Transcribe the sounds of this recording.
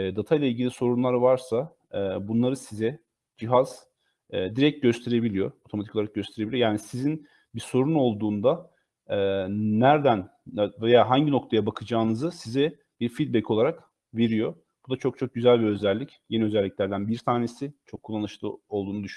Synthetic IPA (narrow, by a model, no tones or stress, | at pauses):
ɛːd̪at̪ʰajlʲˠailʲɟilʲiso̞ɾunlˠaɾvaɾsaː | bunlˠaɾɯsizɛ | d͡ʒiɦaz̥ | ɛːd̪iɾɛc̚ɟø̞st̪ʰe̞ɾe̞bilʲijo̞ot̪ʰomat̪i̥kolˠaɾak̚ɟø̞st̪ʰe̞ɾeilʲijojaːnisizin | biso̞ɾuno̞lˠd̪uːnd̪aː | æɾd̪ænvejaɦaɲɟinok̚t̪ʰajabakʰɯd͡ʒaːnɯzɯsizɛ | b̥iɾfid̪̚bɛcʰo̞lˠaɾak | ve̞ɾijo̞ | b̥ud̪at͡ʃʰo̞k̚t͡ʃʰo̞k̚ɟyzælʲbiø̞zælʲːicje̞niø̞zælʲːicʲlʲæɾd̪ænbiɾt̪ʰaːne̞sit͡ʃʰo̞kʰːulˠːanɯʃlˠɯo̞lˠd̪uːnud̪yʃy